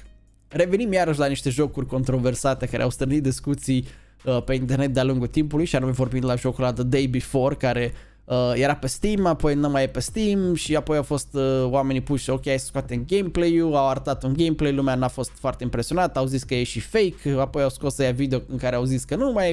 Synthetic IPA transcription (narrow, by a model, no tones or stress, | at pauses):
re̞ve̞nimjaɾəʃ̬ʲlaniʃt̪e̞ʒo̞kurʲko̞nt̪ɾo̞ve̞rsat̪e̞kaɾʔea̰wst̪ɨɾnit̪̚d̪iskut̪sij | əpe̞int̪erne̞t̪̚d̪ealuŋɡult̪impulujʃianumevo̞rbind̪laʒo̞kuɾlad̪əd̪ejbifo̞rkaɾe̞ | əje̞ɾapest̪imapo̞jnəmajepest̪imʃiapo̞jawfo̞st̪əwame̞nipuʃokʲejajese̥skwat̪eɨnɡejmplejuawaɾt̪at̪unɡejmplejlumeanafo̞st̪foart̪e̞impɾe̞sio̞nat̪awziskəjeʃifejkapo̞jawsko̞sejavid̪eoɨŋkaɾeawziskənumaj